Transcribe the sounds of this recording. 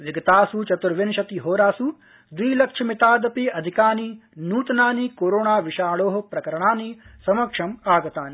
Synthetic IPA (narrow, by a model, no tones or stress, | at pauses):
ʋiɡɐt̪aːsut͡ʃɐt̪uɾʋinʃɐt̪iɦoːɾaːsu | d̪ʋiːlɐkʂʰɐmit̪aːd̪ɐpiɐd̪ʱikaːninuːt̪ɐnaːniːkoːɾoːɳaːʋiʃaːɭoːɦɐ̆pɾɐkɐɾɐɳaːnisɐmɐkʂɐmaːɡɐt̪aːni